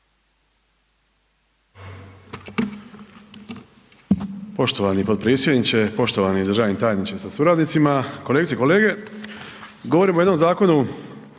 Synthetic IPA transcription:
po̞ʃt̪o̞ʋanipo̞d̪̚pɾiːsjed̪nit͡ɕepo̞ʃt̪oʋanid̪ɾ̩ʒaːʋnimt̪aːjnit͡ɕesasuɾaːd̪nit̪simakoleɡiseiko̞leːɡe̞ | ɡo̞ʋoɾimojed̪nomzaːko̞nu

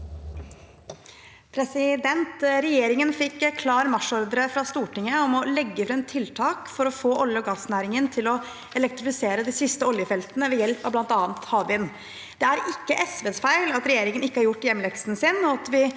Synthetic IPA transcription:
pʰɾɛsɪd̪ɛnt̪ɾɛjeːɾɪŋənfɪkːkʰlɑːɾmɑʂɔɾd̪ɾəfɾɑst̪uːʈɪŋːəɔmɔlɛɡːəfɾɛmt̪ʰɪlt̪ʰɑːkfɔɾɔfoːʔɔljəɔɡɑːsnæːɾɪŋənt̪ʰɪlɔ | ɛlɛk̚t̪ɾɪfɪseːɾəd̪ɪsɪst̪əɔljəfɛlt̪ənəʋɛjɛlpɑʋblɑnt̪ɑːnt̪hɑːʋɪn | d̪̥ɛæɾɪkːəʔɛsʋeːsfæɪlɑt̪ɾɛjeːɾɪŋənɪkːəhɑɾjʊʈːjɛmːlɛksnsɪnɔɑt̪ʋɪ

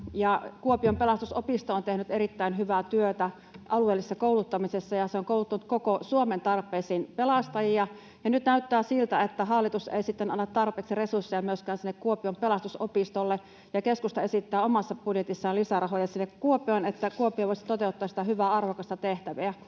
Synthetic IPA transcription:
jɑkuopiompelɑst̪usopist̪oːont̪ehnyt̪eɾit̪ːæinɦyʋæt̪yøt̪æ | ʔɑlueːlːisːɑkoulut̪ːɑmisesːɑjɑseoŋkoˑulut̪ːɑnut̪̚kokosuoment̪ɑrpˑeːsiːnpelɑst̪ɑjiɑ | jɑnyt̪næyt̪ːæːsilt̪æet̪ːæɦɑlːit̪usḛisit̪ːenɑnːɑt̪ːɑrpeːksiresursːejɑmyøskæːnsinːekkuopiompelɑst̪usopist̪olːe | jɑkeskust̪ɑesit̪ːæːomɑsːɑpudjet̪isːɑːlisærɑɦojɑsinːekkuopionet̪ːækuopioʋoˑisi̥t̪ot̪eut̪ːɑsi̥t̪æhyʋæːɑrʋokɑst̪ɑt̪eht̪æʋiæ

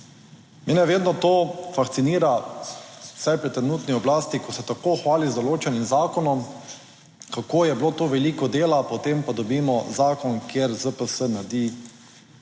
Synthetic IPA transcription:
meːnɛʋeːd̪nɔt̪oːfaxt̪siniːɾa | sajpɾɛt̪ːɾɛnuːt̪niɔblaːst̪ikɔsɛt̪akoːxʋaːlizd̪ɔloːt͡ʃɛnimzaːkɔnɔm | kakoːjɛbloːt̪oʋɛliːkɔd̪eːlapɔt̪empad̪ɔbiːmɔzaːkɔnkjeɾzəpəsənaɾd̪i

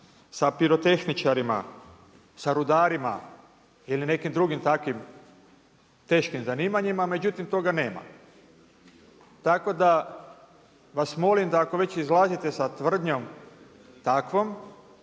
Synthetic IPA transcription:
sapiɾo̞t̪e̞xnit͡ʃaɾima̰ | saɾud̪aːɾima̰ | iline̞kimd̪ɾuɡimt̪akʋim | t̪e̞ːʃkimzaniːmaɲimame̞d͡ʑut̪imt̪o̞ɡane̞ːma̰ | t̪ako̞d̪a | ʋasmo̞limd̪aːko̞ʋe̞t͡ɕizlˠazit̪e̞sat̪ʋr̩d̪ɲo̞m | t̪akʋo̞m

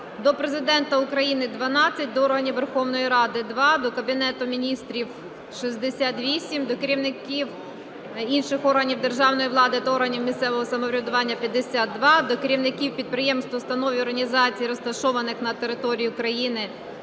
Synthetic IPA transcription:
d̪ɔpɾezɪd̪ɛnt̪ɐʊkɾɐjinɪd̪ʋɐnɑt͡sʲːɐt̚ʲd̪ɔɔrɦɐnʲiwʋerxɔwnɔjiɾɑd̪ɪd̪ʋɑd̪ɔkɐbʲinɛt̪ʊmʲinʲist̪ɾʲiw | ʃizʲd̪esʲat̪ʋʲisʲimd̪ɔkeɾʲiwnɪkʲiw | inʃɪxɔrɦɐnʲiwd̪erʒɑwnɔjiʋlˠɑd̪ɪɐt̪ɐɔrɦɐnʲiwmʲist̪sɛʋɔɦɔsɐmɔʋɾʲɐd̪ʊʋɑnʲːɐpʲjɐd̪ːesʲat̪ːʋɑd̪ɔkeɾʲiwnɪkʲiwpʲid̪̚pɾɪjɛmst̪ʋɔst̪ɐnɔʋʲiɔrɦɐnʲizɑt͡sʲijiɾɔst̪ɐʃɔʋɐnɪxnɐt̪e̞ɾɪt̪ɔɾʲijiʊkɾɐjinɪ

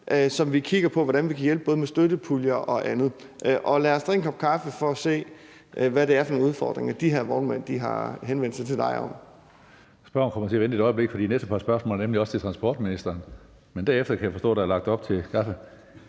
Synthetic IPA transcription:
ʔøsɒ̽mʋikʰiɡ̥ɐpʰɒ̽ʋɒɾænʋikʰæjelb̥̚ɔːð̞̩ˠmesd̥øɾəpʰuljɐʔɒ̽ʔænð̞̩ˠ | ʔʔɒ̽læːɐsd̥ʁḛŋkʰɒ̽b̥kʰɑ̈fəfɒ̽ːse̝̰ː | ʔʋæɾe̝æɐfɒnonuðˠfɒ̰ːd̥ʁeŋɐd̥iɦeɐʋɒ̰ːdmæn̰d̥iɦɑ̈ɦenʋend̥sɑ̈ɪt͡sʰe̝d̥ɑ̈ɪɒ̽m | sb̥ɶɐnkʰɒ̽mɐseʋend̥id̥ɾɒ̽ɪəble̝ɡ̥fɒd̥ḭːnesd̥əpʰɑ̈sb̥ɶɐsmɔ̰ːlənemliɒ̽st͡sʰe̝t͡sʰʁɑ̈nsb̥ɒ̰ːd̥̚minisd̥ɐːn | mend̥æɐefd̥ɐkʰæjafɒ̽stɔ̰̽ːd̥ɑæɐlɑ̈ɡ̥̚d̥ɒ̽b̥̚t͡sʰe̝lkʰɑ̈fə

